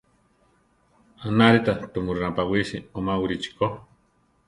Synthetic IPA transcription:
anaɾit̪at̪umuɾunapawiʃiomawiɾit͡ʃi̥ko

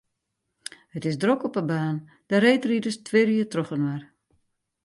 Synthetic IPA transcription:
hətɪsdrokɔpəbaːn | d̥əɾeːjtridəstʰʋɪriətrɔxənwar

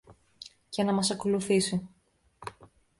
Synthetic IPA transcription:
ce̞nɐmɐsɐko̞luθisi

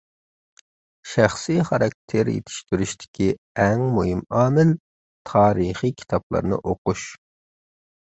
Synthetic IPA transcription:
ʃæχsiχɑɾɑk̚ʲt̪ʰeɾjḛt̪ʰɪ̥ʃt̪yɾyʃt̪ʰɪ̥kʲʰi | ɛŋmuɦimɑːmɪl | t̪ʰɑːɾɨχikʲʰi̥t̪ʰɑplˠɑ̰ɾnɨ̰ʔoquʃ

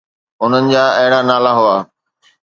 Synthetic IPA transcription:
ʊn̤ənɪ̆d͡ʑaːɐɦɪɽ̃anaːlaɦʊaː

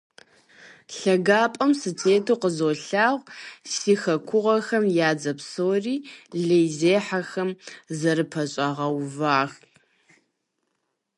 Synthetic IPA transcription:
ɬɐɡaːpʼɐmsɨtʰeːtʰoːqəzoːɬaːʁʷsiːxɐkʷʰʊʁɐxɐmjaːd͡zɐpsoːriːɮejzeːħaxɐmzɐɾɨpʰɐɕʼɐʁɐwvaːx

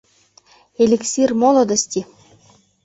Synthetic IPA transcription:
elʲeksʲirmolˠŏd̪ə̆sʲt̪ʲi

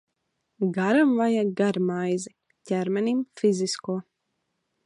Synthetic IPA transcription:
ɡaɾamvajaɡaɾmajzi | cʲæɾmɛnimfiziskuɔ

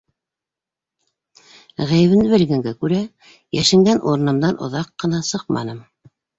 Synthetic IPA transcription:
ʁæjɘ̆βɘ̆nd̪ɘβɘ̆lɡæŋɡækʉɾæ | jæʃɘ̆ŋɡænʔuɾɤ̆nɤ̆md̪ɑnʔŏ̰ðɑqːɤ̆nɑsɤq̚mɑ̰nɤm

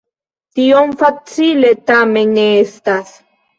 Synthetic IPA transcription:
t̪ionfat͡sile̞t̪ame̞nːeest̪as

